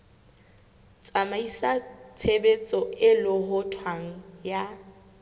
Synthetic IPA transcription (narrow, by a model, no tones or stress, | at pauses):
t͡sʼamaisat͡sʰebet͡sʼɔɪlʊɦʊtʰwaŋ̩ja